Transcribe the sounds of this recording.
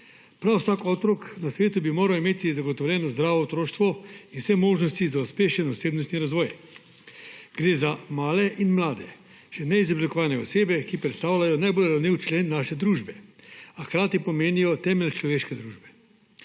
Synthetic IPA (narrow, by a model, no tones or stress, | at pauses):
pɾawsaːkɔːt̪ɾɔknasʋeːt̪ubimoːɾawimeːt̪izaɡɔt̪ɔwljɛːnɔzd̪ɾaːʋɔt̪ɾoːʃt̪ʋɔinwsɛmoːʒnɔst̪izauspeːʃɛnɔseːbnɔst̪niɾazʋɔːj | ɡ̥ɾeːzamaːlɛʔinmlaːd̪ɛ̰ | ʃɛnɛizɔblikɔʋaːlnɛɔseːbɛkipɾɛt̪st̪aːwlajɔnajbolɾawniwt͡ʃleːnːaːʃɛd̪ɾuːʒbɛaxkɾaːt̪ipɔmeːnijɔt̪ɛːmɛlʲt͡ʃlɔʋeːʃkɛd̪ɾuːʒbɛ